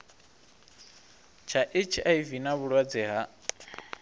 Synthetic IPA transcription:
t͡ʃʰaʔɪt͡ʃʰiʔaivinaβuɺwad͡zɛɦa

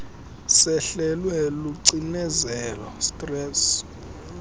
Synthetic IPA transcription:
sɛɬɛlwɛluǀinɛzɛlɔ̰stʼrɛːs

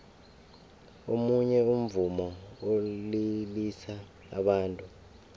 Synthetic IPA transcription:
omuɲɛum̩vumɔolilisa | a̰ɓaːntʼu

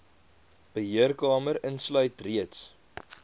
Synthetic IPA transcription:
b̥əɦiərkɑːməɾənslœɥtriəts

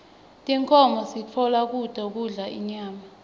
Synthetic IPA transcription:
tʼɛŋkʰɔmɔsit͡fʰɔlak̬utʼɔk̬uɮaʔḭɲaːma

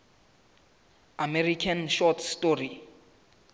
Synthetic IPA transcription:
amɛrikʰanʃɔtʰstori

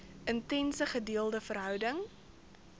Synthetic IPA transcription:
ʔəntɛnsəχədiəlˠdəfərɦœwdəŋ

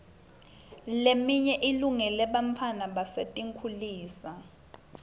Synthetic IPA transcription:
lemiɲɛʔiluŋɛlɛɓampʰanaɓasetʼiŋkʰuliːsa

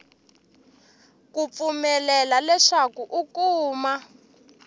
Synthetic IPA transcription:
kup̪fumɛlɛlalɛʂakuʔukuːma

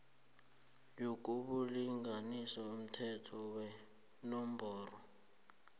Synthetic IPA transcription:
jok̬ʼuɓuliŋɡanisɔum̩tʰɛtʰɔwɛ | nɔm̩bʱɔːrɔ

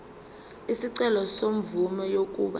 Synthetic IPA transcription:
isiǀɛlɔsom̩vumɛjok̬ʼṵɓa

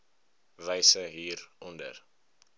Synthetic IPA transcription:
vəjsəɦiːrɔndə̰r

